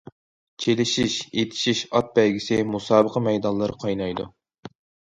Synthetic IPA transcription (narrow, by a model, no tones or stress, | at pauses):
t͡ʃʰelɪʃiʃet̪ʰɪ̥ʃiʃɑt̪̚bɛlɡʲisɪmusɑːbəqʰɑmɛjd̪ɑnlˠːɨɾqʰɑjnɑjd̪ṵ